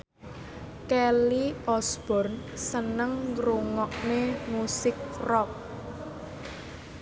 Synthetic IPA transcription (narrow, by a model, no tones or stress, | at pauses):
kɛliɔsb̥ɔ̤rnsənəŋɾuŋɔk̚nemusɪk̚rɔk̚